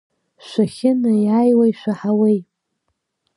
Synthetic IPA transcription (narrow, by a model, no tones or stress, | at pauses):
ʃʷaxʲɪnɨjajwaiʃʷᶣaħawej